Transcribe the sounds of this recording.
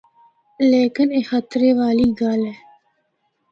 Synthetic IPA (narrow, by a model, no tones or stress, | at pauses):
leːkɨneːxat̪ɨɾeːvaːliːɡaːlɛ